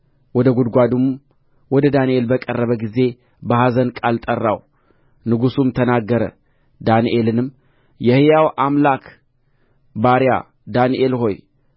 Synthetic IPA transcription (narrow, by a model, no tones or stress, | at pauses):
wɔd̪əɡud̪ɡʷad̪um | wɔd̪əd̪aniʔe̞lbəkʼərːəβəɡize̞ | bəhazənkʼalt̪ʼərːa̰w | nɨɡusumt̪ʰənaɡːəɾə̰ | d̪aniʔe̞lɨnɨmː | jɛhjawʔamlakʰ | baɾja̰ | d̪aniʔe̞lɦo̞j